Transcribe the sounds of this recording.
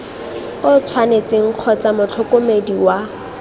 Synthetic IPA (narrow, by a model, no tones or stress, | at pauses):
ʊt͡sʰwanet͡sɪŋ̩q͡χʰɔt͡samʊt͡ɬʰɔkomediwa